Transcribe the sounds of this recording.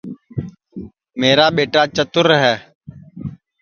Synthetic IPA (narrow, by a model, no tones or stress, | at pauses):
meːɾaːɓeːʈaːt͡ʃət̪ʊɾɦɛː